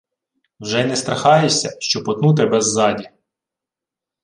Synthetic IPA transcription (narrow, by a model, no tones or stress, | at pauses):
wʒɛnɛst̪ɾɐxɑjesʲɐ̰ʃt͡ʃɔpɔt̪nut̪̬ɛbɛzːɑdʲi